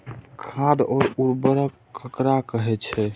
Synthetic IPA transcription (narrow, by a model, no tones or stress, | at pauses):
kʰad̪ɔːɾuɾbəɾək | kəkɾakəɦɛt͡ʃʰɛ